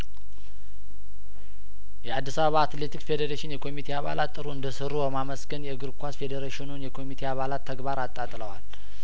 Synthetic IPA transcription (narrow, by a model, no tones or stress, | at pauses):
jɛad̪ːisaβəβaːt̪le̞t̪ʰikfe̞d̪eɾeʃɪnjɛkʰo̞mit̪ʰe̞aβa̰lat̪ʼːɨɾuɨnd̪əsɨɾːubəmaməsɡənjɛɨɡɨɾkʷasfe̞d̪əɾeʃɪnunjɛkʰo̞mit̪ʰe̞aβalat̪ʰːəɡbaɾat̪ʼːat̪ʼləwal